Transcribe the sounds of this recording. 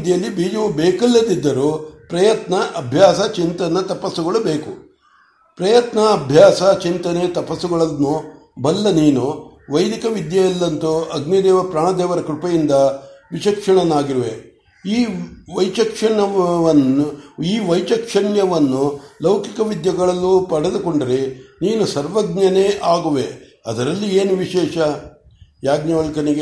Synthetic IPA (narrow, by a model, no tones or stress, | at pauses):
d̪jɐlːibiːd͡ʒɐʋubeːkɐlːɐd̪id̪ːɐɾupɾɐjɐt̪nɐʔɐbʱjaːsɐt͡ʃint̪ɐnːɐt̪ɐpɐsːuɡɐɭubeːku | pɾɐjɐt̪nɐːbʱjaːsɐt͡ʃint̪ɐnet̪ɐpɐsːuɡɐɭɐnːu | bɐlːɐniːnuʋɐjd̪ikɐʋid̪jɐjɐlːɐnt̪uɐɡnid̪ɛːʋɐpɾaːɳɐd̪ɛːʋɐɾɐkɾupɐjind̪ɐʋiʃɐkʂɐɳɐnaːɡiɾɐʋe | iːʋɐjt͡ʃɐkʂɐɳɐɐnuiːʋɐjt͡ʃɐkʂɐɳjɐʋɐnːulɐwkikɐʋid̪jɐɡɐɭɐlːupɐɽed̪uko̞ɳɖɐɾeniːnusɐɾʋɐɡ̚nɐneːʔaːɡuʋe | ɐd̪ɐɾɐlːieːnuʋiʃɛːʂɐ | jaːɡnjɐʋɐlkɐniɡe